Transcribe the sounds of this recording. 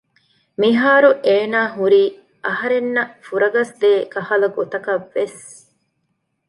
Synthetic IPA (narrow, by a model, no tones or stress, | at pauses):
miɦaːɾuʔeːnaːɦuɾiː | ʔɐɦɐɾenːɐfuɾɐɡɐsd̪eːkɐhɐlɐɡot̪ɐkɐʋːes